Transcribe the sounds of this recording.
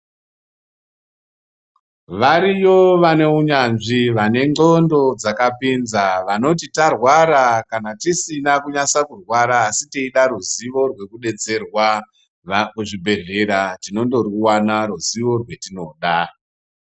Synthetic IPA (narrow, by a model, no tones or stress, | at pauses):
ʋaɾijo̞ʋane̞uɲanʐiʋane̞ŋ͡ǃondo̞d͡zakapinzaʋano̞titarwaɾakanatisinakuɲasakurwaɾaːsitiiɗaɾuziʋo̞rwe̞kuɗe̞t͡se̞rwa | kuʐibʱe̞ɮe̞ɾatino̞ndo̞ruwanaɾuziʋo̞rwe̞tino̞ɗa